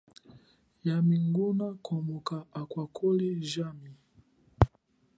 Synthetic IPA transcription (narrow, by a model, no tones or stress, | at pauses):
jamiŋɡunakʰɔmukaʔːkwakʰɔliʒami